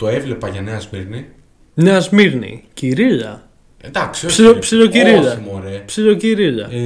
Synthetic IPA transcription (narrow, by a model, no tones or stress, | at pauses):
t̪o̞evle̞pɐʝɐneɐzmiɾni | neɐzmiɾnḭciɾiʎɐ̰ | d̪ɐksiosiopsiʎociɾiʎɐimoɾepsilociɾiʎɐ̰